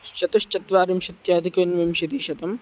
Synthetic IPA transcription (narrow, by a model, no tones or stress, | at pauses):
ʃt͡ʃɐt̪uʃt͡ʃɐt̪ʋaːɾimʃɐt̪jaːd̪ʱikɐnʋɐmʃɐd̪iːʃɐt̪ɐm